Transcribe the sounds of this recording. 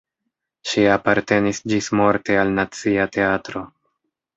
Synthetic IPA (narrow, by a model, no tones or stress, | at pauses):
ʃiapaɾte̞nisd͡ʒismo̞ɾte̞alnat͡siate̞atɾo̞